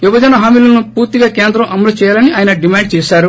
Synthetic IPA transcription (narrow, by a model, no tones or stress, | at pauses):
ʋibɐd͡ʒɐnɐɦaːmiːlɐnupuːɾt̪iɡaːkeːnd̪ɾɐ̃mʔɐmːɐlut͡ʃɛːjaːlɐniʔaːjɐnɐɖimaːɳɖ̚t͡ʃɛːʃaːɾu